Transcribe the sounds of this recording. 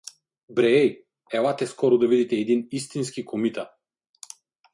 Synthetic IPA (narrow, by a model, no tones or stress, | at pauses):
bɾɛj | ɛvat̪ɛskɔɾɔd̪avid̪it̪ɛːd̪inist̪inskikʰɔmit̪a